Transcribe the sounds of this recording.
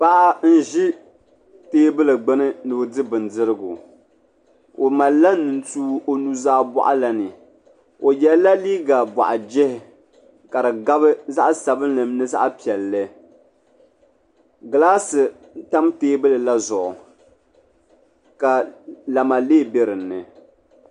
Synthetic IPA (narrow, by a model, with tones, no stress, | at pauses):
pa˦ʔa˦n̩˦ʒi˦ | teː˦bɨ˦lɨ˨ɡ͡bɨ˦nɨ˦nɨ˨bdɨ˦bɨ˨ndɨ˦ɾɨ˦ɡʊ˨ | o˨ma˨lːa˦nɨ˨n̩˦tuː˦ʔo˨nu˦zaː˦bɔ̰˦ʔa̰˦la˨nɨ˨ | o˨jɛ˦la˦liː˦ɡa˨ba̰˨ʔa˨d͡ʒɪ˦hɪ˨ | ka˨ɾɨ˨ɡa˦bɨ˦za˦ʔsa˨bɨ˦n˦lɨ˨mnɨ˦za̰˦ʔpi˨ɛ˨lːɨ˦ | ɡa˨laː˦sɨ˨ | n̩˦ta˦mteː˦bɨ˦lɨ˨la˦zʊ˨ʔʊ˨ | ka˨la˨ma˨leː˦be˦ɾɨ˨nːɨ˨